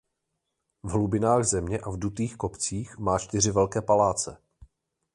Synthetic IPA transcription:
vɦlubɪnaːɣzɛmɲɛʔavdut̪iːxko̞pt͡siːxmaːt͡ʃt̪ɪr̝ɪvɛlkɛːpalaːt͡sɛ

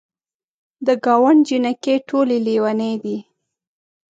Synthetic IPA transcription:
d̪əɡɑwaɳd͡ʒinakeʈʰolelewanəd̪i

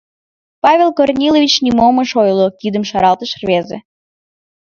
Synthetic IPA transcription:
pɑvʲelkornʲilovʲit͡ɕnʲimomə̆ʃojlˠokid̪əmʃɑɾɑlˠt̪əʃrβʲezḛ

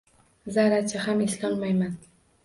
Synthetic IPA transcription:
zaɾat͡ʃʰahamɪslɒnmajman

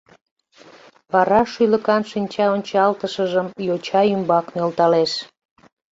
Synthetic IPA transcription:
pɑɾɑʃyjləkɑnʃinʲt͡ɕɑonʲt͡ɕɑlt̪əʃəʒəmjot͡ɕɑymbɑknølt̪ɑleʃ

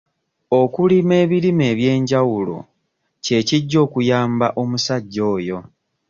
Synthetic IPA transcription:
o̞kulime̞ːβiɾime̞ːβje̞ːɲɟawulo̞̰ | ce̞ːciɟːo̞ːkujaːmbaʔo̞musaɟːo̞ːjo̞

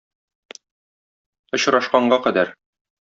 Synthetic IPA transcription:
ŏɕɾɑʃqɑɴɢɑqæd̪æɾ

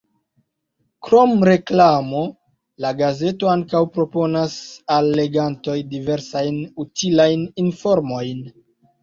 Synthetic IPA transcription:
kɾo̞mɾe̞klamo̞ | laɡaze̞to̞aŋkawpɾo̞po̞nasalːe̞ɡanto̞jdive̞ɾsajnutilajninfo̞ɾmo̞jn

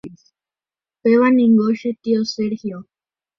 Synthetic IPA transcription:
is | pewanĩŋɡoʃɨt̪ioseɾhio

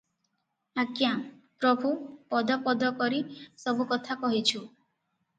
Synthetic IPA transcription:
akjapɾɔbʱupɔd̪ɔpɔd̪ɔkɔɾisɔbukɔt̪ʰakɔɦit͡ʃʰu

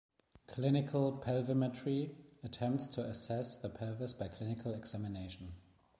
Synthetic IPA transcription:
kʰl̥ɪnɪkʰəlˠpʰɛlvəmɛtʰɹiətʰɛ̃mp̚tstʰəəsɛsðəpʰɛlvəsb̥aɪkʰl̥ɪnɪkʰəlɛɡz̥æmɪneɪʃə̃n̩

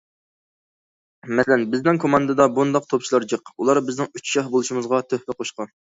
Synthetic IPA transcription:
mɛslɛnbɪznɪŋkʰomɑnd̪ɨd̪ɑbund̪ɑq̚t̪ʰopt͡ʃʰilˠɑɾd͡ʒɨqulˠɑɾbɪznɪŋyt͡ʃʃɑhbolˠuʃimɨzʁɑt̪ʰøhpɛqʰoʃqɑn

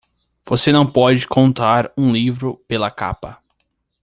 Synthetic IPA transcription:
v̥osenɐ̃w̃pɔd͡ʒɪkʰõnt̪aɾũlivɾʊpelɐka̰pɐ

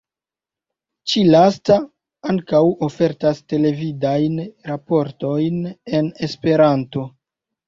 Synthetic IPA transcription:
t͡ʃilasta | aŋkawo̞fe̞ɾtaste̞le̞vidajnɾapo̞ɾto̞jne̞ne̞spe̞ɾanto̞

